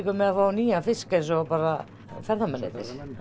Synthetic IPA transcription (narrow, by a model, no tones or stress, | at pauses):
kʏmɛðafaːwniːjafɪskans̬ɔpaːɾa | fɛɾðamɛnɛ̰t̪ɪ̰ɾ̥